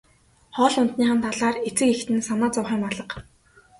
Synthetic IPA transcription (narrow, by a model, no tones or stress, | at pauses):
χɔːɮʊnt̪niːχănt̪ʰaɮaːret͡sɘ̆kext̪ɘ̆nsamaːt͡sʊwχiːmpaɮə̆q